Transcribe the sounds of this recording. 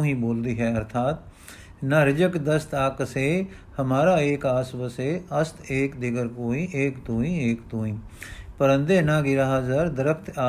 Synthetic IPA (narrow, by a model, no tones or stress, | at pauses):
ɦĩboːld̪iːɦɛːɐɾt̪ʰaːt̪ | naɾɪd͡ʒəkd̪əst̪aːkse | hɐmaːɾaeːkaːsʋəseɐst̪ʰeːkd̪ɪɡəɾkoːĩʔeːkd̪oːĩeːkd̪oːĩːpəɾə̃nt̪enaɡɪɾaɦazəɾd̪ɪɾəkʰt̪aː